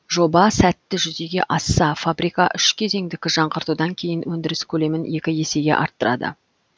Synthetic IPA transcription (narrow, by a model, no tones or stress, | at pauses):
ʒo̞bɑsæt̪ːɪʒʏze̞ɡʲe̞̰ʔɑsːɑfabɾijkɑʔʏʃkʲʰe̞ze̞ŋd̪ɪkʲɪʒɑɴqəɾt̪ud̪ɑŋkʲʰe̞jɪnwɵnd̪ɪɾɪskʲʰɵle̞mɪne̞kʲɪje̞se̞ɡʲe̞̰ʔɑ̰ɾt̪ːəɾʔɑ̰d̪ə̰